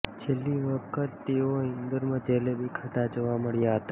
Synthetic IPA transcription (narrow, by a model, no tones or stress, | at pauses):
t͡ʃʰelːiʋəkʰət̪ːeoĩnd̪əɾmãd͡ʒelebʱikʰəʈad͡ʒoʋaməɭjaɦət̪a